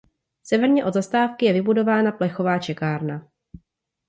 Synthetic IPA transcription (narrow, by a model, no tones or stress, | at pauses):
sɛvɛɾɲɛʔo̞dzast̪aːfkɪjɛvɪbudo̞vaːnaplɛxo̞vaːt͡ʃɛkaːɾna